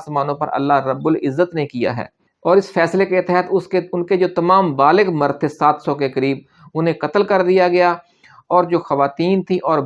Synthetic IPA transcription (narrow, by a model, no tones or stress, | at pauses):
smaːnõpɐ̰ɾʔɐ̰lːaɦɾəbːʊlɪzːət̪nekija̰ɦɛ̰ː | ɔːɾɪsfʰɛːslekeɪt̪ɦɛːt̪ʊskeʊnked͡ʒoːt̪ɐmaːmbaːlɪɡmɐɾt̪ʰesaːt̪ʰsɔkekəɾiːb̚ | ʊnɦẽkɐt̪əlkɐɾd̪ijaɡɐja | ɔːɾd͡ʒoːxɐʋaːt̪iːnt̪ʰiʔɔːɾ